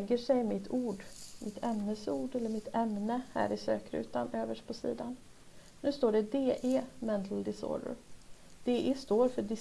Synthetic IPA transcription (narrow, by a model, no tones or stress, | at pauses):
ɡəʂɛjmɪt̪ʰuːɖmʔɪt̪ʰɛmnəsuːɖɛlːəɾmɪt̪ʰɛmnəhæ̰ːɾɪsø̰ːkɾʉ̟̰ːt̪anøːvəʂpʰɔsḭːd̪an | nʉ̟ːst̪oːɖɛd̪eːʔeːmɛnt̪ʰld̪ɪsɔ̰ːd̪ə̰ɾd̪̥eːʔeːst̪oːɾfœɖɪ